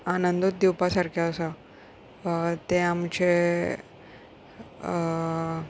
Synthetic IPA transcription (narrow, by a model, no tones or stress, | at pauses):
anənd̪ot̪̚d̪iwpasaɾkʰeəsə | t̪eamt͡ɕe